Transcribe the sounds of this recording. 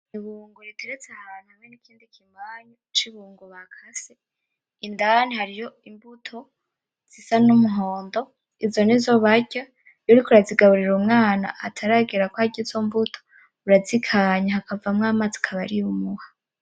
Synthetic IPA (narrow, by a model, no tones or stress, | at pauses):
niβuːŋɡuɾitʰeɾet͡sahaːnhuhamŋe̞nikʰiːndikʰimaːɲut͡ʃiβuːŋɡuβakʰase | indanihaɾijo̞imbutʰo | z̥isanumuɦoːndo̞ | izo̞nizo̞βaɟa | juɾikuɾaziɡaβuɾiɾumŋaːna̰atʰaɾaɡiɾakohaɟizombutʰo | uɾazikʰaɲahakavamŋaːmazikʰaβaɾiumuha